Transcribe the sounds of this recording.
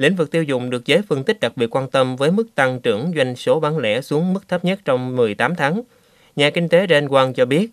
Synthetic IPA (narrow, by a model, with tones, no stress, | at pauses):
lḭ˧˥ŋ̟vɨ˨˩k̚t̪i˧wzʊ̰˧˨ŋ͡mɗɨ˨˩ək̚zəː˨˦jfɨ˧ənt̪i˦˥k̟̚ɗa˨˩k̚ɓi˨˩ət̚kwaː˧nt̪ə˧mvəː˨˦jmɨ˦˥k̚t̪a˧ŋt͡ɕɨ̰˧˩əŋzwa˧jŋ̟so˨˦ɓaː˨˦nlɛ̰˧˥su˨˦əŋmɨ˦˥k̚t̪ʰə˦˥p̚ɲə˦˥t̚t͡ɕɔ˧wŋ͡mmɨ˨˩əjt̪aː˨˦mt̪ʰaː˨˦ŋ | ɲaː˨˩kï˧ŋ̟t̪e˨˦ɗa˧nkwaː˧nt͡ɕɔ˧ɓi˦˥ət̚